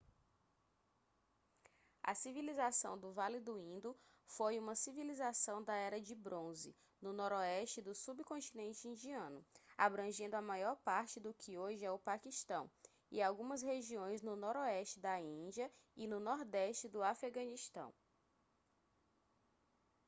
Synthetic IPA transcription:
ɐ̰sivilizasɐ̃w̃d̪ʊvalid̪ʊĩnd̪ʊ | fojũmɐsivilizasɐ̃w̃d̪ɐɛɾɐd͡ʒɪbɾõzɪ̰ | nʊnɔɾɔɛʃt͡ʃɪd̪ʊsubkõnt͡ʃinẽnt͡ʃɪĩnd͡ʒiɐ̃nʊabɾɐ̃ʒẽnd̪ʊɐmajɔɾpaɾt͡ʃɪd̪ʊkʰɪoʒɪɛʊpakiʃt̪ɐ̰̃w̃ | ɪ̰awɡũmɐsheʒiõj̃znʊnɔɾɔɛʃt͡ʃɪd̪ɐĩd͡ʒiɐɪnʊnɔɾd̪ɛʃt͡ʃɪd̪ʊafeɡɐ̃niʃt̪ɐ̰̃w̃

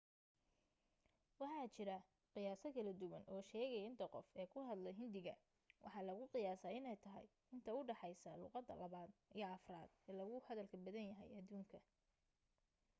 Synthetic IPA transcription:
wɑħɑːt͡ʃɪɾɐ | qɪjaːsɐkʰɐlɐd̪ʊwɐnʔɔːʃɛːɣɛjɪnt̪ʰɐqɔfɛːkʰʊɦɐd̪lɛɦɪnd̪ɪɣɐ̰ | wʔɑ̰ħɑlɐɣʊqɪjaːsɐːɪnɛjt̪ʰɐɦɛ̰j | ɪnt̪ʰɐʊɖɑħɑjsɐlṵːqɑd̪ːɐ̰lɐβaːd̪ijɔɑfra̰ːd̪̥ɛːlɐɣʊhɐðɐlkʰɐbɐðɐnjɐɦɛ̰jɐd̪uːŋkʰɐ

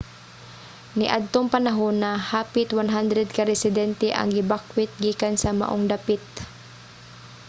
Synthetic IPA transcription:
nɪʔad̪̚t̪oŋpɐnaɦonɐhaːpɪt̪wanɦand̪ɾɛd̪̚kaɾɛsɪd̪ɛnt̪ɛʔɐ̰ŋɡɪbakwɪt̪̚ɡiːkansɐma̰ʔoŋd̪apɪt̪̚

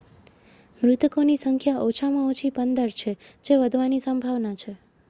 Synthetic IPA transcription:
mɾʊt̪konisəŋkʰjaʔot͡ʃʰamãot͡ʃʰipənd̪əɾt͡ʃʰed͡ʒeʋəd̪ʱʋanisəmbʱaʋnat͡ʃʰe

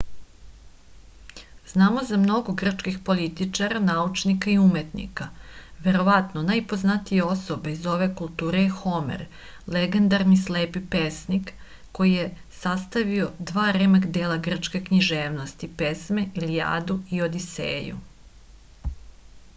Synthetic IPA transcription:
z̥naːmo̞zamno̞ɡo̞ɡr̩t͡ʃkixpo̞lit̪it͡ʃaɾanaut͡ʃnikaiumet̪nḭkaʋe̞ɾo̞ʋat̪nonajpo̞znat̪ije̞o̞so̞beizo̞ʋe̞kulˠt̪uːɾejxo̞mḛɾ | leɡe̞nd̪aɾnisleːpipesnik | ko̞jije | sast̪aʋio̞d̪ʋaːɾemeɡd̪eːlˠaɡr̩t͡ʃke̞kɲiʒeːʋno̞st̪ipe̞smeilija̰ːd̪uio̞d̪isḛːjṵ

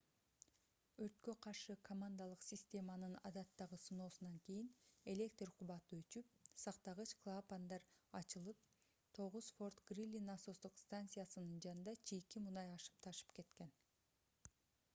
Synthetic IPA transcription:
øɾt̪køqʰɑɾʃɯkʰomand̪alˠɯqsʲɪsʲt̪ʲe̞mɑnɯnɑ̰d̪ɑt̪ːɑʁɯsuno̞ːsunɑŋkʲijine̞lʲe̞kt̪rqʰuβɑt̪ɯøt͡ʃyp̚sɑqt̪ɑʁɯt͡ʃklˠapand̪ɑɾɑt͡ʃɯlˠɯp̚ | t̪ʰo̞ʁuzfo̞rt̪ɡ̥rʲilʲːinaso̞st̪uqst̪ant̪sɨjasɯnɯnd͡ʒɑnɯnd̪ɑt͡ʃʰijkimunɑjɑʃɯ̥p̚t̪ʰɑʃɯ̥pke̞t̪ke̞n

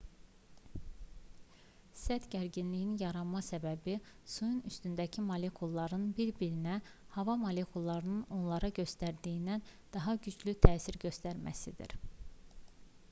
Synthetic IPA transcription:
sæd̪ɟæɾɟinlijinjɑɾɑnmɑsæbæbisujunyst̪ynd̪æcʰimɑle̞kʰulˠːɑɾɯnbiɾbiɾinæ | hɑvɑmole̞kʰulˠːɑɾɯnɯno̞nlˠɑɾɑɟø̞st̪æɾd̪iind̪ænd̪̥ɑɦɑɟyd͡ʒlyt̪ʰæːsiɾɟø̞st̪æɾmæ̰sid̪ḭɾ

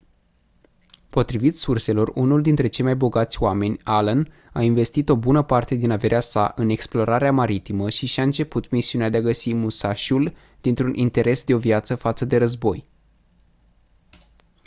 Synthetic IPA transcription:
po̞t̪ɾivit̪surse̞lo̞runuld̪int̪ɾe̞t͡ʃe̞jmajbo̞ɡat̪sʲoame̞nʲalən | ainve̞st̪it̪o̞bunəpart̪e̞d̪inave̞ɾeasa̰ʔɨne̞ksplo̞ɾaɾeamaɾit̪iməʃiʃiaɨnt͡ʃe̞put̪misiunead̪eaɡəsimusaʃul | d̪̥int̪ɾunʔint̪e̞ɾe̞sd̪e̞o̞vjat̪səfat̪səd̪e̞ɾəzbo̞j

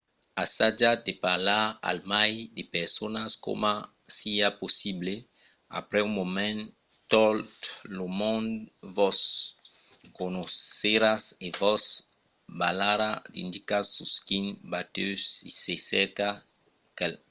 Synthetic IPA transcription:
asad͡ʒad̪epaɾlaa̰lmajd̪epeɾsonasko̰ma | siaposible | a̰pɾɛumomɛ̃n | t̪olt̪lomõndvɔs | konoseɾasevɔs | balaɾad̪ḭnd̪ikasuskinbat̪øsisesɛɾka | kɛl

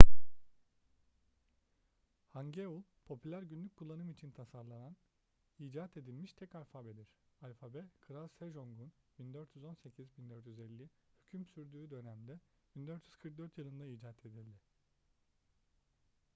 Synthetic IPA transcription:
haɲɟeulˠpʰo̞pʰylʲæɾɟynlʲyc̚ʲkʰːulˠːanɯmit͡ʃʰint̪ʰasaɾlˠanan | iːd͡ʒaːt̪ʰe̞d̪ilʲmiʃt̪ʰɛcalʲfabed̪iɾ̥alʲfabɛkʰɯɾalˠseʒo̞ŋɡunbind̪øɾt̪ʰjyzo̞nse̞cʰizbind̪øɾt̪ʰjyzɛlʲːi | hycʰymsyɾd̪yːd̪ø̞næmd̪ɛ | b̥ind̪øɾt̪ʰjyz̥kʰɯɾk̚d̪øɾt̪jɯlˠɯnd̪aiːd͡ʒat̪ʰe̞d̪ilʲd̪ɪ

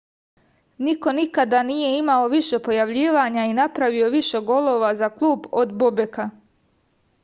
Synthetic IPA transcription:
niko̞nikad̪anije̞imao̞ʋiʃe̞po̞jaʋʎiːʋaːɲainapɾaʋio̞ʋiʃe̞ɡo̞lˠo̞ːʋazaklˠuːbod̪bobeka

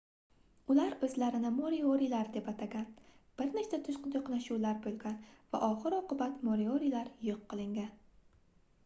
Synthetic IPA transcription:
ʊlaɾbɪzlaɾɪnɪmoɾioɾilaɾd̪e̞pat̪ʰaɡʲanb̥ɪɾnekt͡ʃ̪at̪ʰʊʃqʊd̪ʰoqnaʃuwlaɾbolˠɡʲanva̰ʔɒχɨɾɒqɨbat̪moɾioɾilaɾjoqːɨlˠɪŋɡʲan

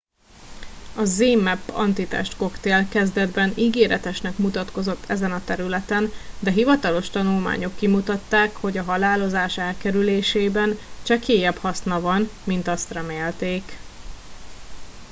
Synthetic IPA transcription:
ɒzeːmːɛpːɒ̰nt̪it̪ɛ̰ʃt̪ko̞kt̪eːlkɛzd̪ɛd̪bɛniɡeːɾʔɛt̪ɛʃnɛkmut̪ɒt̪ko̞zo̞t̪ʰːɛzɛnɒt̪ɛɾylɛt̪ɛnd̪ɛɦivɒt̪ɒlo̞ʃt̪ɒnulma̰ːɲo̞kːimut̪ɒt̪ːaːkho̞ɟɒɦɒlaːlo̞zaːʃɛlkɛɾyleːʃeːbɛnt͡ʃɛkeːjɛphɒsnɒvɒnmint̪ɒst̪rɛmeːlt̪eːk

